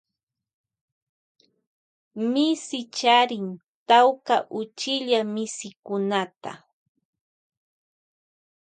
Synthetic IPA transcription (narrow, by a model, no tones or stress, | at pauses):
mɪsɪt͡ʃaɾɪn | t̪awkaʔʊt͡ʃɪʎamɪsɪkʊnat̪a̰